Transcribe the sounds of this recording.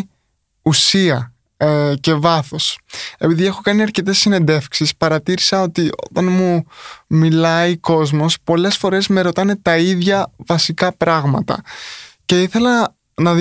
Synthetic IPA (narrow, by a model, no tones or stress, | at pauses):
usiɐ | ce̞vɐθo̞se̞piðie̞xo̞kɐniɐɾce̞t̪e̞sːine̞nd̪e̞fksispɐɾɐt̪iɾisɐo̞t̪io̞̰t̪ɐnmumilɐiko̞zmo̞spo̞le̞sfo̞ɾe̞zme̞ɾo̞t̪ɐne̞t̪ɐiðʝɐvɐsikɐpɾɐɣmɐ̰t̪ɐ̰ce̞iθe̞lɐ | nɐð